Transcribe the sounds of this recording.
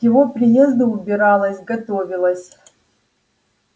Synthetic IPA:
jɪvopɾʲɪjezd̪ɨʊbʲɪɾɑlˠəsʲɡɐt̪ovʲɪlˠəsʲ

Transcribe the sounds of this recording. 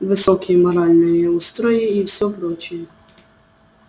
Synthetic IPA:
ʋɪsɔkʲʰimɔɾalʲnɔjɛust̪ɾɔjiiwsʲɔpɾɔt͡ʃiji

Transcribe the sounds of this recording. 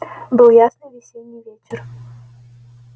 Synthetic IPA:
bɨlˠjasnɨjvʲɪsʲenʲːɪjvʲet͡ɕʲɪr

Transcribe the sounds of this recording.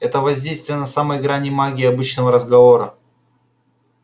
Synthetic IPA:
ɛt̪əvɐzʲdʲejst̪vʲɪjənɐsaməjɡɾanʲɪmaɡʲɪːɐbɨt͡ɕnəvəɾəzɡɐvo̞ɾə

